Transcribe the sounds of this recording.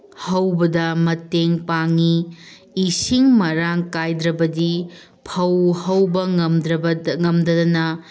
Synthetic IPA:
hɐwbɐdɐmɐteŋpaŋiː | siŋmɐɾaŋkajdɾɐbɐdi | pʰɐwhɐwbɐŋɐmdɾɐŋɐmdɐdɐnɐ

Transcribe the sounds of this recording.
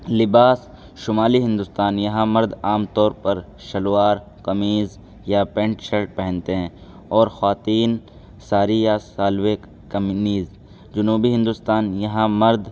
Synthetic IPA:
lɪbaːs | ʃʊmaːliɦɪ̃nd̪ʊst̪aːnjɐɦãmɐɾd̪aːmt̪ɔːɾpɐɾ | ʃɐlwaːɾ | kɐmiːz | japẽːɳʈʃɐlʈ̚pɛɦɛ̃nt̪eɦɛ̃ː | ɔːɾxwaːt̪iːn | saːɾijasaːlwɪk | kɐmniːz | d͡ʒʊnuːbiɦɪ̃nd̪ʊst̪aːnjɐɦãmɐɾd̪

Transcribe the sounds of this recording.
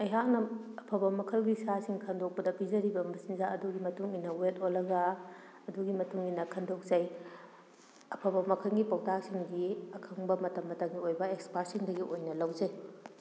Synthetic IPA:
ɐjɦak̚nɐɐpʰɐbɐmɐkʰɐlɡisasiŋkʰɐndok̚pɐdɐpizɐɾibɐmɐsinzaɐduɡimɐtuŋinːɐwetolːɐɡɐ | ɐduɡimɐtuŋinɐkʰɐndok̚zɐj | ɐpʰɐbɐmɐkʰɐlɡipowtak̚siŋɡiɐkʰɐŋbɐmɐtɐmːɐtɐŋɡiojbɐekspaɾsiŋdɐɡiʔojnɐlɐwzɐj

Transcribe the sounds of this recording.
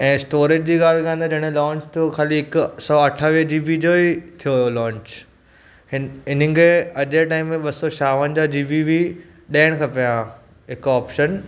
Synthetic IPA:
ɛ̃ːsʈoːɾeːd͡ʑd͡ʑiːɠaːl̤kãːnd̪ad͡ʑɐɽ̃ẽlɔ̃ːɲt͡ɕt̪ʰijokʰaːliɦɪksɔɐʈʰaʋiəd͡ʑiːʋid͡ʑoːit̪ʰijoɦjolɔ̃ːɲt͡ɕ | ɪɪn̤ə̆ɡeɐʄeʈaːɪmːẽɓɐsɔt͡ɕaːʋənd͡ʑad͡ʑiːʋiʋi | ɗaːɪɽ̃kʰapija | ɦɪkɔːpʃən

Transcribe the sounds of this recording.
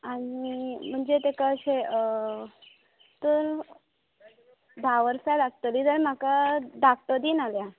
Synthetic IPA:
aɽ̃im̤əɳd͡zet̪ekəɕeə | t̪əɾ | b̪ʱaʋəɾsajlaɡ̚t̪əlid͡zəɾm̤akadakt̪əd̪iːnalja

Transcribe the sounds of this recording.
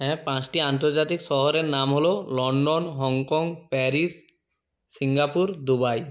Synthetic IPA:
ɦɛ̃pãt͡ɕʈiant̪oɾd͡ʑat̪ikʃɔɦoɾeɾnamɦololɔɳɖonɦɔŋkɔŋpɛɾis | siŋɡapuɾd̪ubaj

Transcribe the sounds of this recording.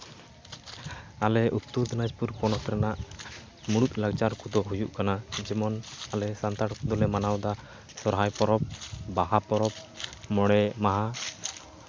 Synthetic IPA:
alɛʔut̪ːud̪ɔnad͡ʒpuɾpɔnɔt̪ɾɛnaʔ | muɽut̪̚ˀlaɡt͡ʃaɾkud̪ɔɦujuʔkanad͡ʒɛmɔnalɛsant̪aɽkɔd̪ɔlɛmanawd̪a | sɔɾɦajpɔɾɔp̚baɦapɔɾɔp̚mɔɽ̃ɛmaɦa

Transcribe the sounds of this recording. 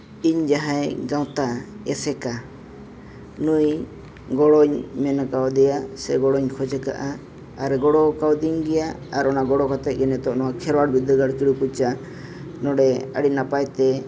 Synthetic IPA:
iɲd͡ʒaɦajɡaw̃t̪a | ɛ̰sɛka | nuj | ɡɔɽɔɲmɛnakawd̪ɛjasɛɡɔɽɔɲkʰɔd͡ʒɛka̰ʔaː | ɾɡɔɽɔkawd̪iŋɡɛja | aɾɔnaɡɔɽɔkat̪ɛt̪̚ˀɡɛnɛt̪ɔnɔwakʰɛɾwaɽbid̪əɡaɽkiɽukut͡ʃa | nɔɽɛə̰ɽinapajt̪ɛ

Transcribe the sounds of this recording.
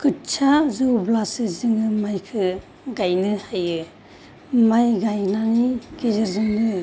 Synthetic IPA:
kɯtt͡ʃʰazɯwblasɯzɯŋɯmajkʰɯ | ɡajnɯhajɯ | majɡajnanikezɯɾzɯŋnɯ

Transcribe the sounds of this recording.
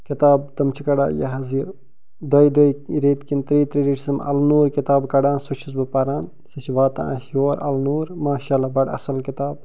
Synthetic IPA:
kit̪aːb̚t̪ɐmt͡ʃʰikɐɽa̰ːjɐ̰ɦɐzj | d̪ɐjd̪ɐiɾeːt̪kint̪ɾiːt̪ɾiːɖiʈʰisɐmɐ̰lnuːɾkit̪aːbkɐɖaːnsut͡ʃʰizbɨpɐɾaːn | sit͡ʃʋaːt̪ã̰ːa̰sjoːɾʔɐ̰lnuːɾmaːʃaːlaːbɐɽɐ̰sɐlkit̪aːb

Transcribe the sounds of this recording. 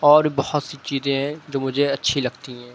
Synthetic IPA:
ɔːɾbɐhʊt̪sit͡ʃiːzẽɦɛ̃d͡ʒoːmʊd͡ʒʱeɐtːʃʰilɐɡt̪iɦɛ̃ː

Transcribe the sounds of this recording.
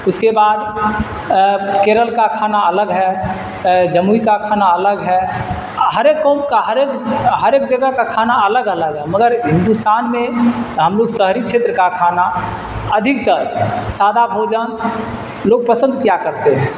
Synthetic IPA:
ʊskebad̪ | keɾəlkakʰanaələɡɦɛ | d͡ʒəmuikakʰanaələɡɦɛ | ɦəɾekːomkaɦəɾekɦəɾeːk̚d͡ʒəɡəɦkakʰanaələɡələɡɦɛməɡəɾɦɪ̃nd̪ust̪aːnmẽɦəmloɡsəɦɾit͡ʃʰet̪ɾəkakʰana | əd̪ʱɪk̚t̪əɾsad̪ʱabʱod͡ʒən | loːɡ̚pəsə̃nd̪̚kjakəɾt̪eɦɛ̃

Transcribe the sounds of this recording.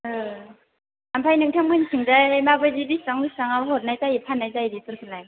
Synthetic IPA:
ɯ | ampʰajnɯŋtʰammɯnsʰɯŋzajmabɯzibisaŋbisaŋabɦɔt̚najtajipʰanːajzajdipɯɾkʰɯlaj

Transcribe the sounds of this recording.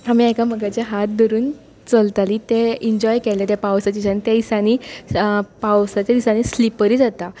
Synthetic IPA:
amiekaməɡat͡ɕaɦat̪̚d̪ɔɾuːn | t͡səlt̪aliːt̪eiɲd͡ʑɔjkelet̪epawsat͡ɕit͡ɕant̪eisaniː | pawsat͡ɕad̪isañiːslipəɾiːd͡zat̪a

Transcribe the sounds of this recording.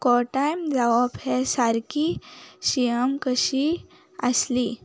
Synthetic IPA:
kɔʈajmd͡zaʋaphɛsaɾkiɕijəmkəɕi | əsli

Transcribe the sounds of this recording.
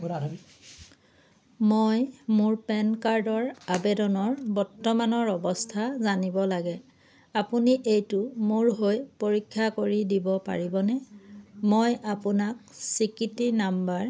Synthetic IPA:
a | mojmuɹpɛnkaɹdɔɹabedɔnɔɹbɔɹtːɔmanɔɹɔbɔstʰazanibɔlaɡɛ | apuniʔejtʊmuɹɦojpoɹikʰːakoɹidibɔpa̰ɹibɔnɛmojapʊnak̚sikitinambaɹ

